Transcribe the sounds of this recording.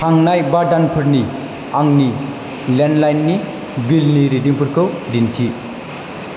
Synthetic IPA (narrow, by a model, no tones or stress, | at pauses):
tʰaŋnajbadanpʰɯɾni | aŋni | lenlajnːi | bilniɾidiŋpʰɯɾkʰɯwdintʰi